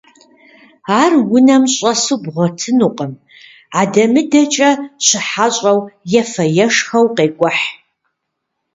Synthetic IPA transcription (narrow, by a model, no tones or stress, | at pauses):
aːrwʊnɐmɕʼɐsɨbʁʷɔtʰɨnuqʼəm | aːdɐmɨdɐt͡ʃʼɐɕɪħaɕʼɐwjɛfɐjɛʂxɐwqeːkʷʼɔħ